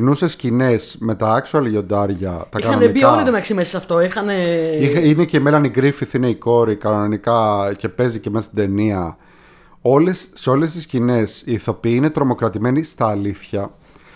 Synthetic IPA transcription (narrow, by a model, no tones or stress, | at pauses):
nusescine̞sme̞t̪ɐɐksuɐliʝo̞d̪ɐɾʝɐt̪ɐkikxɐnɐnenibioɐliðomeɐksimesisɐft̪oixɐneixineceimelɐniɡɾifiθine̞iko̞ɾikɐnnonikɐce̞pe̞zice̞meɐsid̪e̞niɐ | o̞lesːeo̞le̞st̪iscine̞siːθo̞piine̞t̪ɾo̞mo̞kɾɐt̪ime̞nist̪ɐːliθçɐ